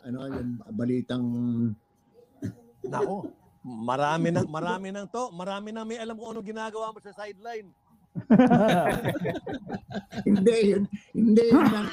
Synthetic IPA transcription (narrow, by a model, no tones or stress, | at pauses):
ʔɐnojʊŋbɐliːt̪ɐŋ | nɐ̰ʔo̞ | mɐɾaːmɪnɐŋmɐɾaːmɪnɐŋt̪o̞ʔmɐɾaːmɪnɐŋmɐjʔɐlamkʊʔɐnoŋɡɪnaːɡɐwaʔmosɐsajd̪̚lajn | hɪnd̪ɛjʊnhɪnd̪ɛjnɐŋ